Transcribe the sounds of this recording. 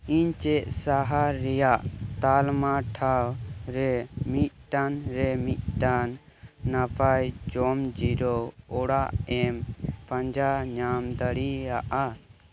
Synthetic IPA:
iɲt͡ʃɛʔsaɦaɾɛjaʔt̪almaʈʰawɾɛmit̪̚ˀʈanɾɛmit̪̚ˀʈanː | apʰajd͡ʒɔmd͡ʒiɾɔɔɽaʔɛmpãɲd͡ʒaɲamd̪əɽiaʔa

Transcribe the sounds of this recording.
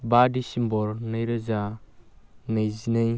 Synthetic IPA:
badisimbɔɾnajɾəza | najzinaj

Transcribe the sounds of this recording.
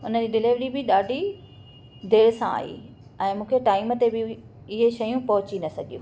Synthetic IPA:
ʊnəd͡ʑiɗɪleːʋɽibɪɗaːɖʱi | d̪ʱeːɭsã̰a̰ːḭ | ɛ̃ːmũːkʰeʈaːɪmət̪ebɪ | ɪɦeʃɐjũpɐɦʊt͡ɕinɐsɐɡʱijṵ̃ː

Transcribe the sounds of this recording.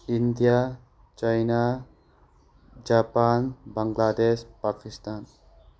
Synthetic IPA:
ind̪ija | t͡ʃajna | d͡ʒaːpaːnbaŋɡlaːd̪eʃpaːkist̪aːn

